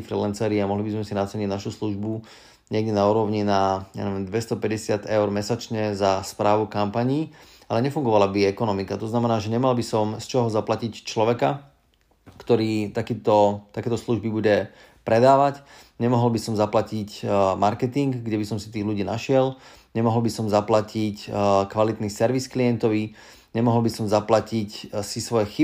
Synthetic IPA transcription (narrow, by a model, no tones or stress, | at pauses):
fɾilɛnsɛɾiamɔɦlibizmɛsinat͡sɛɲiɟnaʃusluʒbu | ɲɛɡɟɛnauːɾɔʊɲinajanɛʋɛmd̪ʋɛst̪ɔpɛɟɛsɪat̪ɛʊɾmɛsat͡ʃɲɛzaspɾaːʋukampaɲiːalɛɲɛfuŋɡɔʋalabiɛkɔnɔmikat̪ɔznamɛnaːʒɛɲɛmalbisɔmst͡ʃɔɦɔzaplacict͡ʃlɔʋɛka | kt̪ɔɾiːt̪akiːt̪ɔt̪akɛːt̪ɔsluʒbibuɟɛ | pɾɛd̪aːʋac | ɲɛmɔɦɔlbisɔmzaplacicmaɾkɛt̪iŋɡɡɟɛbisɔmsi̥t̪iːɣluɟiːnaʃɪɛl | ɲɛmɔɦɔlbisɔmzaplacickʋalit̪nisɛɾʋiskliɛnt̪ɔʋi | ɲɛmɔɦɔlbisɔmzaplacicsisʋɔjɛxi